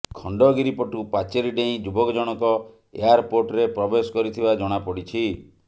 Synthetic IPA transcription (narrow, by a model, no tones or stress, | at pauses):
kʰɔɳɖɔɡiɾipɔʈupat͡ʃeɾiɖeĩd͡ʒubɔkd͡ʒɔɽ̃ɔkɔ | ḛjaɾpoɾʈɾepɾɔbesɔ̥kɔɾit̪ʰibad͡ʒɔɽ̃apɔɽit͡ʃʰi